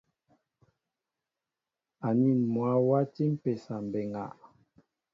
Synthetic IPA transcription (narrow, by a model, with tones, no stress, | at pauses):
a˨ni˦˨nmwa˨˦wa˦ti˦m̩˦pɛ˨sa˨m̩˨bɛ˨ŋa̰˨ʔ